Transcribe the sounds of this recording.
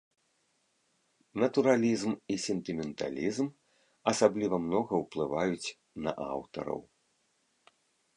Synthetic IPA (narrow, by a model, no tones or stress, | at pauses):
nɐt̪uɾalʲizmisʲɛnt̪ɨmʲɛnt̪a̰lʲizm | ɐsablʲivɐmnɔɣɐwplˠɨvajut͡sʲ | nɐ̰ʔa̰wt̪ɐ̰ɾɐ̰w